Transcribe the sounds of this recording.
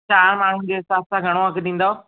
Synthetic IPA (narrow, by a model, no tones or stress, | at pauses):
t͡ɕaːɾmaːɳ̤ʊnɪ̆d͡ʑeːsaːssãɡʱɐɽ̃oɐɡɗĩːn̆d̪o